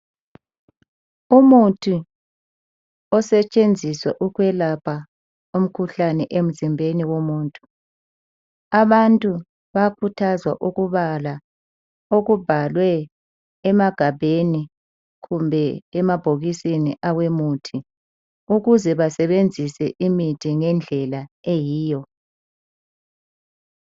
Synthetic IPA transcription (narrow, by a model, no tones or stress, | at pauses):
umutʰi | ɔsɛt͡ʃʼend͡zʱiswɛʔuɣwɛlapʰa | um̩kʰuɬanɛʔem̩zimbʱeniwomuːntʼu̥ | aβantʼu | βakʰutʰazwa̰ʔuɣuβala | oɣub̥ʱalwɛː | maɡ̥ʱabʱeni | ɣumbʱɛɛmab̥ʱoɣisiniʔawemutʰi | uɣuzɛβasɛβend͡zʱisɛ̰ʔimitʰiŋɛnd͡ɮʱɛlaejiːjɔ